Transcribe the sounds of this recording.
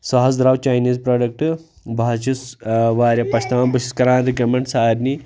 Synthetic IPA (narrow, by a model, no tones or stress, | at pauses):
sɐɦɐsd̪ɾaʋt͡ʃaːjniːzpɾoːɖɐk̚ʈ | bʱaːt͡ʃisʋaːɾʲjɐpɐʃt̪ʰɐmaːnbɐʃiskɐɾaːnɾiɡɐmeɳʈsaːɾni